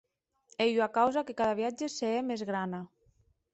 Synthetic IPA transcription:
ejwakawzakekaðaβ̞iad͡ʒeseemezɣɾana

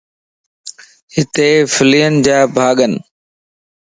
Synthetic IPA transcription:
hɪt̪eːfɪliːənd͡ʑaːbʱaːɠən

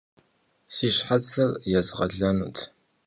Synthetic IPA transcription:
siːɕħat͡sʰɐrjɛzʁɐ̰ɮɐnṵːtʰ

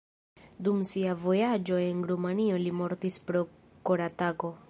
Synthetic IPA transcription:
dumsiavo̞jad͡ʒo̞e̞nɾumanio̞limo̞ɾtispɾo̞ | koɾatako̞

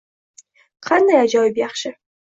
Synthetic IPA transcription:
qʰɑnd̪ajad͡ʒɒjɪpjɑχʃɪ

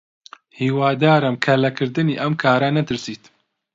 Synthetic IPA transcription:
hiːwaːd̪aːɾɐmkʰɐlɐkʰɨɾd̪ɨniːʔɐmkʰaːɾɐnɐt̪ɨɾsiːt̪

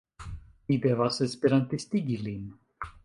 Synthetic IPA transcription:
mid̪evasespeɾant̪ist̪iɡilin

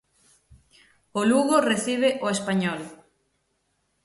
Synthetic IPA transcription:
oluɣoreθiβeʔoespaɲɔl

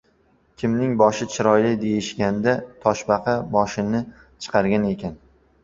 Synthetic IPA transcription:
kʲʰɪmnɪŋbɒʃɪt͡ʃʰɪɾɒjlɪd̪e̞jɪʃɡʲand̪at̪ʰɒʃbɑqʰɑbɒʃɪnɪ | t͡ʃʰɨ̥qʰɑɾɡʲane̞kʲan

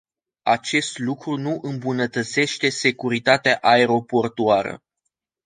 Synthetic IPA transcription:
at͡ʃe̞st̪lukɾunuʔɨmbunət̪ət̪se̞ʃt̪e̞se̞kuɾit̪at̪eaʔae̞ɾo̞po̞rt̪uaɾə̰

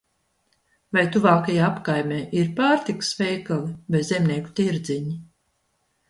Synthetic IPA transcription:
vajt̪uvaːkajaːapkajmʲeːʔiɾpaːɾt̪ikɨ̥svɛjkalˠibezzʲɛmnʲiːku̥t̪iɾd̪ziɲi

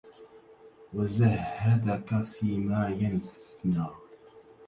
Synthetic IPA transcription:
wazahhːad̪akafiːmaːjanθnaː

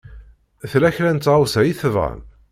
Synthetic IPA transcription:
θlæçɾænt͡s̪ːwsæjiθvʁə̰n

